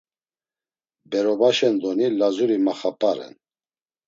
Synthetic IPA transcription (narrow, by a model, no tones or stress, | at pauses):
bɛɾɔbaʃɛnd̪ɔnilazuɾimaχapʼaɾɛ̰n